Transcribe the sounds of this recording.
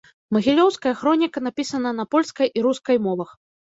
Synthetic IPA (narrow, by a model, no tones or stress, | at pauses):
mɐɣʲilʲɔwskɐjɐxɾɔnʲikɐnapʲisɐnɐnɐpɔlʲskɐjʔiɾuskɐjmɔvɐx